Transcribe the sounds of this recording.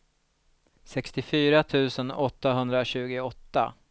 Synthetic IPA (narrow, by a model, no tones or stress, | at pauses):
sɛkst̪ɪfyːɾat̪ʰʉ̟ːsənɔt̪ːaɦɵnd̪ɾaɕʉ̟ːɡʊɔt̪ːa̰